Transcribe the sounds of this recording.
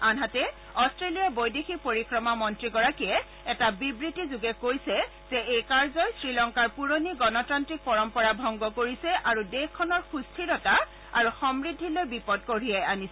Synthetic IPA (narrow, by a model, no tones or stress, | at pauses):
anɦatɛ | ɔstɹelijabojdexʰipoɹikɹɔmamɔntɹiɡɔɹakijɛ | ɛtabibɹitizuɡɛkojsɛ | z̥ɛʔejkaɹzɔjsɹilɔŋkaɹpuɹoniɡɔnɔtantɹik̚pɔɹɔmpɔɹabʱɔŋɡɔkoɹisɛʔaɹudexkʰːɔnɔɹxustʰiɹɔta | aɹuxɔmɹidʱːilojbipɔd̚koɹijajanisɛ